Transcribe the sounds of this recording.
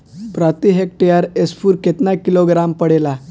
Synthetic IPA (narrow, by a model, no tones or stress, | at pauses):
pɾat̪iɦek̚ʈijaɾespuːɾket̪nakiloɡɾampəɽela